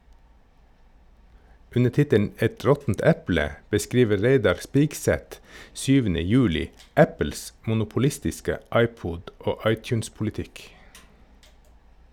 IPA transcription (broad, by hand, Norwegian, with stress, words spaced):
ˈʉnə ˈtɪtən ˈɛt ˈɹɔtn̩t ˈæplə bəˈskiːʋə ˈɹeɪdɑɹ ˈspiːɡˌsæt ˈsyːʋənə ˈjʉːlɪ ˈʔæpl̩s mʊnʊpʊˈlɪstɪskə ˈʔɑɪˌpuːd ˈoː ˈɑɪˌtjʉːnspʊlɪˌtɪk